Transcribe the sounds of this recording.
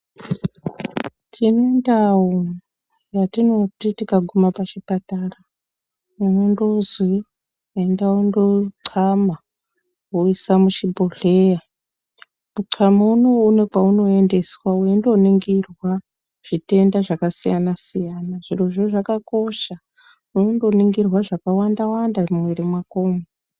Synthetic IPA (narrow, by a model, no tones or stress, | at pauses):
tʰine̞ndau | jatino̞titikaɡʱumapat͡ʃipatara | unondozwi | endaundoǀʰama | uisamuʃibʱoɬe̞ja | muǀʰamauno̞une̞kwauno̞e̞nde̞swauendo̞niŋɡirwa | ʐ̥ite̞ndaʐakasijanasijanaʐ̥iroʐoʐakako̞ʃa | unendo̞niŋɡirwaʐakawandawandamweɾemwako̞ːmo